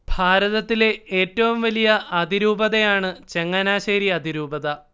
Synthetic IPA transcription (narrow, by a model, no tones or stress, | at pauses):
bʱaːɾɐðɐt̪ːileeːtːɐʋumʋɐlijɐʔɐd̪ʱiɾuːbɐðɐjaːɳɨt͡ɕe̞ŋːɐnaːɕeːɾiɐd̪ʱiɾuːbɐðɐ